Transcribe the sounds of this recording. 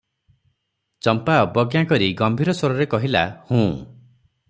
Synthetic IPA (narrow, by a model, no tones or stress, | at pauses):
t͡ʃɔmpaɔbɔɡjakɔɾiɡɔmbʱiɾɔswɔɾɔɾekɔɦila̰hũː